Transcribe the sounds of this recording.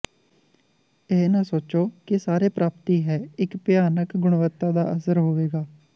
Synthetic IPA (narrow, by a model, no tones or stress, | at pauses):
eːnãːsoːt͡ʃoːkɪsaːɾeːpɾaːpt̪iːɦɛːɪkpɪjaːnəkɡʊɽ̃ʋət̪ːaːd̪a̰ːʔəsəɾɦoːʋeːɡaː